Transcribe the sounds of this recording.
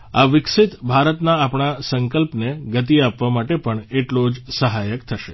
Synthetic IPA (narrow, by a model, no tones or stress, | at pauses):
aʋɪkʃɪt̪bʱaɾət̪naːpɳ̃asəŋkəlpneɡət̪iapʋamaʈepəɳeʈlod͡ʒsəɦajəkt̪ʰəʃe